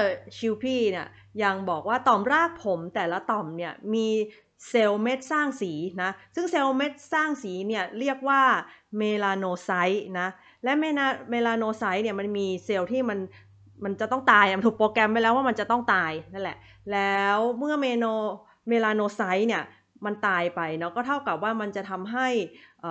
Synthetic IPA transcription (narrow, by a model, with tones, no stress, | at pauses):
ɤ˧˩t͡ɕʰi˧wpʰiː˧˩ni˥˩ɐ | ja˧ŋbɔː˨˩k̚waː˥˩t̪ɔ˨˩mɾaː˥˩k̚pʰo˩˦mt̪ɛː˨˩la˦˥t̪ɔ˨˩mni˥˩ɐmiː˧ | se˧wme˦˥t̪̚saː˥˩ŋsiː˩˦na˦˥sɯ˥˩ŋseː˧wme˦˥t̪̚saː˥˩ŋsiː˩˦ni˥˩ɐəɾi˥˩ək̚waː˥˩meː˧laː˧noː˧sa˦˥jna˦˥ | lɛ˦˥me˧naː˧˥meː˧laː˧noː˧sa˦˥jni˥˩ma˧nmiː˧se˧wt̪ʰiː˥˩ma˧n | ma˧nt͡ɕa˨˩t̪ɔ˥˩ŋt̪aː˧jʔa˨˩ma˧nt̪ʰu˨˩kpoː˧kɛ˧mpːa˧jlɛː˦˥waː˥˩ma˧nt͡ɕa˨˩t̪ɔ˥˩ŋt̪aː˧jna˥˩˨lɛ̰˨˩ʔ | lɛː˦˥˦wmɯ˥˩ɐmeː˧noː˧ | meː˧laː˧noː˧sa˦˥jni˥˩ɐ | ma˧nt̪aː˧jpa˧jnɔ˦˥kɔː˥˩t̪ʰa˥˩wka˨˩p̚waː˥˩ma˧nt͡ɕa˨˩t̪ʰa˧mɦa˥˩jʔəː˨˩